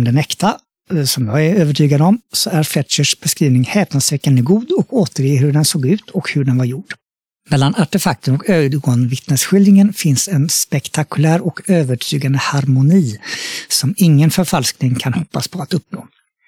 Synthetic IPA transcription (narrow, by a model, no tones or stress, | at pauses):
md̪ɛnɛkt̪ʰa | sɔmjɑɡɛɾøːvəʈʰyːɡad̪əɔmsɔæɾflɛt̪ʂəʂb̥ɛskɾiːvnɪŋhɛːpnad̪svɛkːand̪əɡuːd̪ɔkoːt̪əɾjeːɦɵɖɛnsoːɡʉ̟ːt̪ʰɔkhɵɖɛnvaɾjuːɖ̥ | mɛlːanaʈɛfak̚t̪ənɔkøːd̪ɡoːnvɪt̪nəsɧʏlɪŋənfɪnsɛnspɛkt̪ʰakɵlæːɾɔkøːvəʈʰyːɡand̪əhaɾmʊniːsɔmɪŋːənfœɾfalsknɪŋkʰanhɔpːaspʰɔat̪ɵpːno̰ː